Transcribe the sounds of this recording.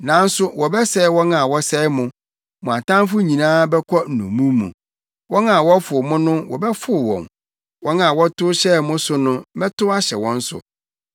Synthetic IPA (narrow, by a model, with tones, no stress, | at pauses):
nã˨˦n̩˦sʊ˦wɔ˨bɛ˦sɛ˦wɔ̃˦na˨wɔ˦sɛ˦mʊ̃˨ | mɔ̃˨a˨tã˦m˦fʊ˦ɲĩ˨nãː˦bɛ˦kʰɔ˦n̩˨nṵ̃˨mũ˦mṵ̃˨ | wɔ̃˦na˨wɔ˦fʊ˨mʊ̃˦nʊ̃˦wɔ̰˨bɛ˦fʊ˦˨wɔ̰̃˨m | wɔ̃˦nã˨wɔ˦tʊ˦ɕɛ˦˨mʊ̃˦sʊ˦nʊ̃˦mɛ˦tʊ˦a˦ɕɛ˨wɔ̃˦n̩˦sʊ̰˨